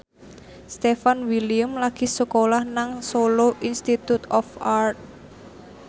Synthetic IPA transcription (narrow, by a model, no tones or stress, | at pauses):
st̪efanwiliəmlaɡ̥i̤səkolahnaŋsoloʔinst̪it̪ut̪ɔfart̪̚